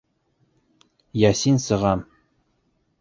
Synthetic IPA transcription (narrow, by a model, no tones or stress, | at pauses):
jæsinsɤ̆ʁɑm